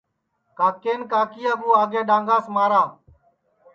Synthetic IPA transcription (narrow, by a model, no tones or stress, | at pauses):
kaːkeːnkaːkɪjaːbuːaːɡeːɗãːŋɡaːsmaːɾaː